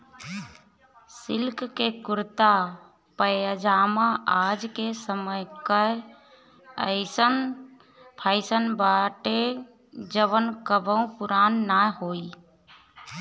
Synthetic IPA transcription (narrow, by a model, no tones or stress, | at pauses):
sɪlkkekʊɾt̪a | pəəd͡ʒaːmaʔad͡ʒkesəməjkə | əɪsən | pʰaɪsənbaʈe | d͡ʒəʋənkəbəũpuɾaːnːahoi